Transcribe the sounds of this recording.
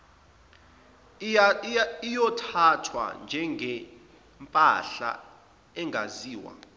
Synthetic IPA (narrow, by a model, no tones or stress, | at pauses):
ijɔtʰatʰwa̰nd͡ʒʱɛŋɡʱɛ | mpʼaɬa̰ | ɛŋʱaziːwa̰